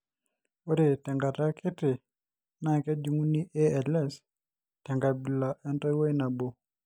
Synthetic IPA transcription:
o˦ɾe˨tɛ˨ŋɡa˨ta˦kʰi˦ti˨ | na˨kɛ˦d͡ʒu˨ŋu˦ni˦ʔɛ˦ɛ˨lɛ˨s | tɛ˨ŋɡa˨bi˨la˨ʔɛ˦ntɔ˦jwe˦na˨bo˨

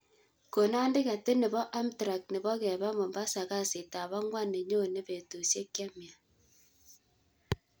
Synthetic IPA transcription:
ko˨na˦nde˦ɣa˨te˦ne˨βɔ˦ʔa˦mtɾa˨kne˨βɔ˦kɛ˨βa˦mo˨mba˦sa˨ɣa˦se˨ta˨βa˦ŋwa˦ne˨ɲo˦˨ne˦βe˨to˨sje˦ke˦mi˨a˨

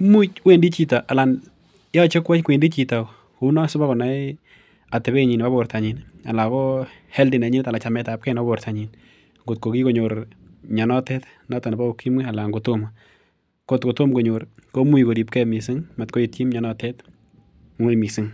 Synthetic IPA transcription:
mu˦t͡ʃwe˦ndi˦t͡ʃi˦ta˨ʔa˨la˨n | jɔ˦t͡ʃe˦kwɛ˦t͡ʃkwe˨ndi˦t͡ʃi˨ta˨k | u˦nɔ˦sʊ˦ba˦ko˨na˦ | a˨tɛ˨be˦ɲi˨nba˦bo˨ɾta˨ɲi˨na˨la˨ko˦ | hɛ˦ldi˨na˨ɲi˦nta˨la˨t͡ʃa˨mɛ˧ta˨p̚kɛ˦na˦bo˨ɾtʰa˨ɲi˨n | ŋɡo˨t̚ko˨ki˦ko˨ɲo˨ɾ | ɲɔ˨nɔ˦tɛ˦t | na˦ta˨ni˨ba˦o˨ki˦mŋi˦a˨la˨ŋɡo˨to˦ma | ko˨tko˨to˦mko˨ɲo˨ɾko˦mu˦iko˨ɾi˨p̚kɛ˦mi˨sɪ˦ŋma˨tko˦i˨tji˦mɲɔ˨nɔ˦tɛ˦t | m˨ŋo˦˨mi˨si˦ŋ

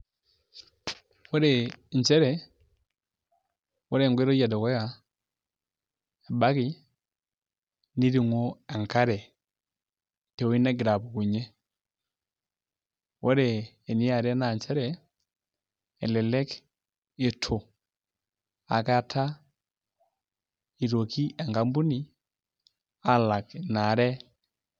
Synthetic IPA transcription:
wɔ˦ɾɛ˨ɲ˨t͡ʃɛ˦ɾɛ˨ | wɔ˦ɾɛ˨ŋɡwe˦ɾo˦ja˨dɔ˨kɔ˦ja˨ | e˨ba˦ki˨ | ni˦ɾi˨ŋo˦a˨ŋka˦ɾɛ˨ | te˨wi˦na˦ɡi˨ɾa˨bu˨ku˨ɲɛ˦ | wʔɔ˦ɾɛː˨ | ni˦a˨ɾɛ˦na˨ɲt͡ʃɛ˦ɾɛ˨ | ɛ̰˨lɛ˨lɛ˦k | e˨tʰo˨ | a̰˨ka˦tʰa˦ | i˨ɾo˨ki˦ʔɛ˨ŋka˦mbu˦ni˨ | a˦la˨kna˨ɾɛ˦

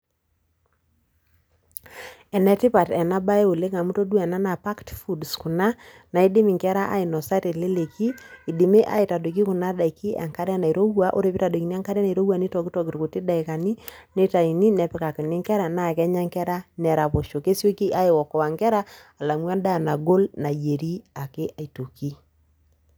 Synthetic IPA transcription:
ɛ˨nɛ˨ti˦pa˨tɛ˨na˦ba˦e˦o˨le˦ŋa˨mu˦to˦du˦ɛ˨na˦na˨pa˦ktfu˨dsku˨na˦ | na˨i˦di˦mi˨ŋkɛ˦ɾa˦ʔa̰˦ɪ˨nɔ˨sa˦te˨le˦le˨ki˦i˨di˨me˦ʔa̰˦i˨ta˨do˨k̬i˦ku˨na˦da˨i˨ki˦ʔa̰˨ŋka˦ɾɛ˦na˨i˨ɾo˦wwa˦ʔo̰˦ɾe˨˦pi˦ta˨do˨ki˨ni˦a˦ŋka˦ɾɛ˦na˨i˨ɾo˦wa˨ni˦tɔ˨ki˦tɔ˨ki˨ɾku˨ti˦da˨i˨ka˨ni˦ne˦ta˨i˨ni˦nɛ˨pɪ˨ka˨kɪ˨nɪ˦ŋkɛ˦ɾa˨na˦˨kɛ˦ɲa˦ŋkɛ˦ɾa˦nɛ˨ɾa˨po˨ʃo˨ke˦so˦ki˦ʔa˦ɪ˨wɔ˨kɔ˨a˨ŋkɛ˦ɾa˦ | a˨la˨mwa˦nda˦˨na˨ɡo˦lna˨je˨ɾi˦a˨kɪ˦ʔa˨i˨to˨ki˦

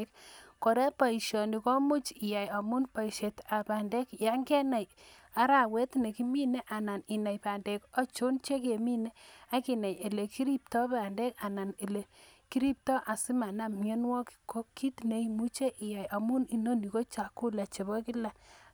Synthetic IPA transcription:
k̚ko˨ɾɛ˦pa˨i˨ʃjɔ˨ni˨ko˦mu˦t͡ʃi˨ja˨ja˨mu˦npa˨i˨ʃe˨ta˨pa˨nde˦kja˦ŋɡe˦na˨j | a˦ɾa˨we˦tne˨ki˦mi˦ne˦ʔa˨na˨ni˨na˨jpa˨nde˨kɔ˦t͡ʃo˦nt͡ʃe˦ke˨mi˦ne˦a˦ki˨na˨je˨le˨ki˦ɾi˦p̚tɔ˦pa˨nde˦ka˨na˨ne˨le˨ki˦ɾi˦p̚tɔ˦ʔa˨si˦ma˨na˨mɲe˦nwɔ˦kko˦ki˦tne˨i˦mu˦t͡ʃe˦ʔi˨ja˨ja˨mu˦ni˨no˦ni˨ko˦t͡ʃa˨kːu˦la˨t͡ʃe˨bɔ˦ki˦la˨

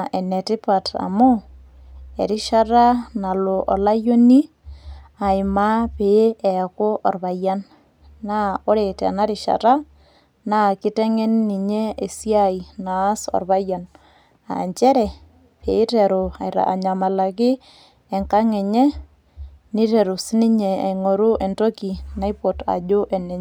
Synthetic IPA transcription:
ɛ˨nɛ˨tɪ˦pa˨ta̰˨mo˦ | ɛ̰˨ɾɪ˦ʃa˦ɾa˦na˨lo˨ʔɔ˨la˦jo˦ni˦ | a˨ɪ˨ma˦pe˨˦ɛ˨ko˦ʔɔ˨rβa˨ja˦nː | a˦o˦ɾe˨tɛ̰˨na˦ɾɪ˨ʃa̰˨ta˦ | na˦kɪ˦tɛ˦ŋɛ˦nːi˨ɲe˦e˨si˦a˨i˨naː˨˦sɔ̰˨rβa˦ja˨n | a̰˨ɲt͡ʃɛ˦ɾɛ˨ | pe˨i˦tɛ˨ɾo˨a̰˨jɾa̰˨a̰˨ɲa˨ma˨la˨kɪː˦˨ | ŋka˦ŋɛ˨ɲe˦ | nɪ˦te˨ɾu˨si˦nɪ˦ɲe˨a̰˨jŋo˨ɾu˦ʔɛ˨nto˦ki˨na˦i˦po˨ta̰˨d͡ʒo˦ʔɛ˨nɛ˨ɲ

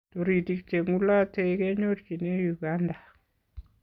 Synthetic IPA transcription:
toɾi˨ti˨kte˨ŋu˦la˦tekɛ˦ɲotki˨ne˦juɡanda˨

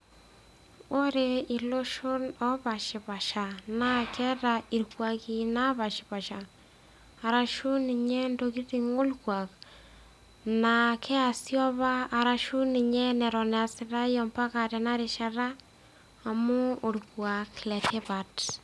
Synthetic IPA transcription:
o˦ɾe˨i˨lo˦ʃo˦nɔ˦pa˨ʃi˨pa˨ʃa˨na˨kɛ˦ta˨i˨lkwa˨ki˨na˦βa˨ʃi˨pa˨ʃa˨ | a˨ɾa˨ʃu˦ni˨ɲɛ˦ndo˧ki˦ti˦ŋo˦lkwa˨k | na˨kʰɛ˦a˨sjɔ˦βaː˦˨ɾa˨ʃu˦ni˨ɲɛ˦nɛ˨ɾɔ˨nɛ˨a˨sɪ˨ɾa˦jɔ˨mpa˦ka˨tɛ˨na˦ɾe˨ʃa˨ɾaː˦˨ | mu˦o˨lkwa˨klɛ˨tʰe˦pa˨t

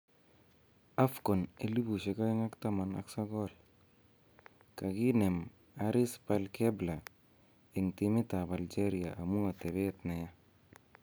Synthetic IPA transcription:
a˦fko˨ne˦li˦bu˨ʃe˨ka˦ɪ˦ŋa˦kta˦mana̰˦ksa˦kɔ˦l | ka˨ki˦ne˨m | aɾɪ˦spalkebla˨ | ɪ˨ŋtimɪ˦ta˨ba˨ld͡ʒe˦ɾia̰˨ʔa˨mu˦ŋa˨te˨be˦tna˨ja˦

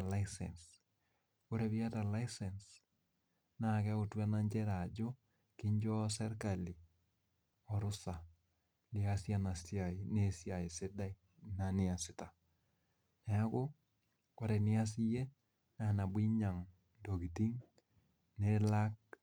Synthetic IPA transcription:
la˦isɛ̰˨ns | o˦ɾe˨βi˦a˦ta˨la˦i˦sɛ˨ns | na˨kɛ˦o˨twa˦na˦ɲd͡ʒɛ˦ɾa˨d͡ʒo˦ | kɪ˦ɲd͡ʒɔ˦sɛ˦ɾka˨li˨ | ɔ˨ɾʊ˦sa˨ | li˨a˨sja˦na˨sja˨i˨ne˦˨sja˨e˨se˦da˦i˦ | na˨nɪ˦a˨sɪ˦ta˨ | na˨a˦ko˦ | ko˦ɾe˨nɪ˦a˦s̬i˦je˦ | na˨na˨bwi˦ɲa˨ŋ | do˨ɡi˨ti˦ŋ | ne˦la˦k̚

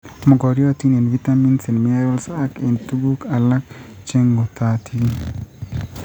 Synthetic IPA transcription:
mɔ˨ɡɔ˨ɾjɔ˦ti˦ne˨nvi˦ta˦mi˦nse˨nm˦e˦ɾɔ˦lsa˦ke˨ntu˦ɡu˦ka˨la˦k̚t͡ʃe˦ŋɡo˨t̪a˦tʰi˦

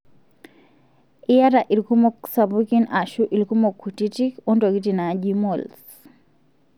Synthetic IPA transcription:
i˦ja˦ɾaʔi˨lkumɔksa˨buki˦na˨ʃuʔi˨lku˦mo˨kʰːu˨ti˦tikɔ˦nto˨ɡi˦tina˨ɟimo˨ls

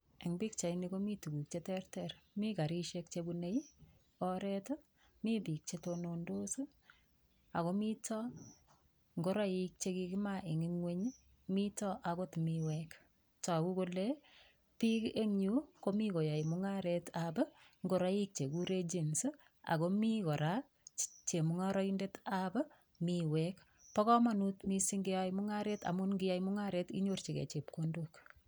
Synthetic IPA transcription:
e˨ŋbi˦kt͡ʃa˨iniko˦mi˦tu˨ku˨k̚t͡ʃe˦tɛrtɛɾmi˦ka˨ɾi˦ʃek̚t͡ʃebu˧ne˦j | ɔ˦ɾɛt | mi˦pi˨k̚t͡ʃetonondo˦sɨ˦ | a˨ko˦mi˦tɔ˦ | ŋɡo˦ɾa˦ji˦k̚t͡ʃe˦ki˧kɪ˦maʔe˨ŋi˦ŋwe˦ɲ | mi˦tɔ˦ʔako˦tmiwɛk | ta˨ku˦kole | pi˦kʔe˦ŋɲuko˦miko˨ja˨i˨muŋaɾetʰabŋɡoɾa˦jik̚t͡ʃe˨kuɾed͡ʒi˨ns | a̰˨ko˦mi˦kɔ˨ɾa | t͡ʃe˨muŋaɾɔ˦inde˦tab | miwɛk | pɔ˦kɔ˦ma˦nu˦tmi˦si˦ŋɡe˦jaimʊ˦ŋa˦ɾe˦ta̰˨mu˦nŋɡija˦jimʊ˦ŋaɾetḭ˦ɲo˦rt͡ʃi˨kḛ˨t͡ʃe˨p̚kondok

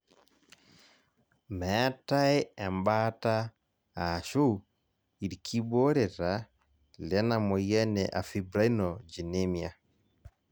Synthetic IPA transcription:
mɛ˨˦ta˦e˦ɛ˨mba˦ta˦ | a˨ʃu˦ | i˨ɾkʰi˦bo˦ɾe˨ɾa˨˦ | lɛ˦na˨mo˨jɛ˦nɛ˨ʔa˨fi˨bɾa˦i˦nɔ˨d͡ʒi˨ne˦mja˨

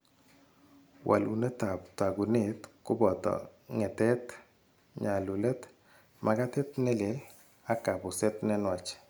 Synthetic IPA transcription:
wʔa̰˨lṵ˨ne˦ta˨pta˨ɡu˨ne˦tkʊ˦bɔ˨t̪ɔ̰˨ŋɛ˨tɛ˦t̪ | ɲa˨lu˨lɛ˦t̪ | ma˨ka˦tɛ˦t̪nɛ˦le˨l | a˦ka˨bʊ˨sɛ˦t̪nɛ˦nwa˨t͡ʃ

